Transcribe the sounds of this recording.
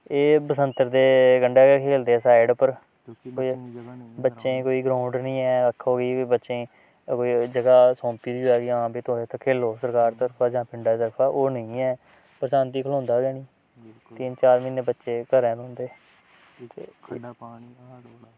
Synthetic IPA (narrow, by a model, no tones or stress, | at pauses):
eːbəsənt̪əɾd̪eːɡəɳɖeːkʰeːld̪eːɛːsaːɪɖpəɾ | koibətːʃẽːkoːiːɡɾãːʊɳɖnəĩːɛːəkʰːoːɡiːbətːʃẽː | koːiːd͡ʒəɡaːsõːmpiːioɛːɡiːãːbiːt̪oːeːt̪ʰːkʰeːloːsəɾkaːɾt̪əɾpʰaːd͡ʒãːpɪɳɖaːt̪əɾpʰaːʔoːnəĩːɛː | pəɾsãːnt̪̬iːkʰəlõːnd̪aːɡɛːɽ̃iː | t̪iːnt͡ʃaːɾmiːneːbətːʃeːkəɾɛ̃ːnõːnd̪eː | t̪eː